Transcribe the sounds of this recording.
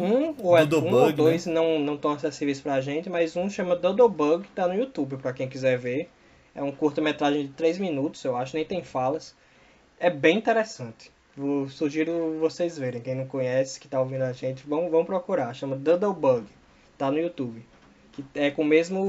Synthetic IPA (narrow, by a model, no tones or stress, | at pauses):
ũoɛd̪oũod̪ojsnɐ̃w̃nɐ̃w̃t̪ɐ̃w̃asesivejspɾɐʒẽt̪ɪmajzũʃɐ̃mɐd̪ɐd̪obɐɡt̪anʊiut̪ubɪpɾɐkẽj̃kizɛɾveɾ | ɛ̰ũkuɾt̪ɐmet̪ɾaʒẽj̃d͡ʒ̪ɪt̪ɾejzmĩnut̪ʊ̥z̥ewaʃʊnẽj̃t̪ẽj̃falɐs | ɛbẽj̃ĩt̪ɛɾɛsɐ̃nt̪ɪ̥ | vosuʒiɾʊvosejzveɾẽj̃kẽj̃nɐ̃w̃kõɲɛsɪ̥kɪ̥t̪aovĩnd̪ʊaʒẽnt̪ɪvɐ̃w̃vɐ̃w̃pɾɔkuɾaɾʃɐ̃mɐd̪ɐd̪owbɐɡ | t̪anʊiut̪ubɪ | kɪɛkõmezmʊ